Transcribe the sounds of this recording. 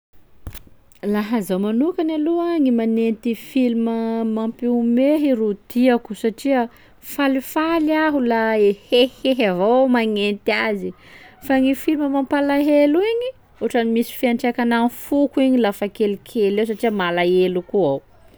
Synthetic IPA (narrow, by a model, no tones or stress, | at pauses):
laɦəzawmanukanaluaŋimanent̪ifiliməmampiumeɦiɾut̪iaku̥saʈ͡ʂiə | falifaliaɦulaeheheɦavomaŋent̪iazi | faŋifilməmampalaɦeluiɲi | uʈ͡ʂanimisi̥fiaɳʈ͡ʂakananfukuiɲilafakelikʰelews̬aʈ͡ʂiəmalaelukuaw